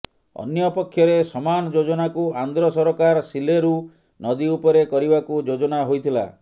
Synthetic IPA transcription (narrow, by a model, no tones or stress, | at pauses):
ɔ̰njɔpɔkʰːjɔɾesɔmanɔd͡ʒod͡ʒɔnakuand̪ɾɔsɔɾɔkaɾsileɾu | nɔd̪iupɔɾekɔɾibakud͡ʒod͡ʒɔnaɦojt̪ʰila̰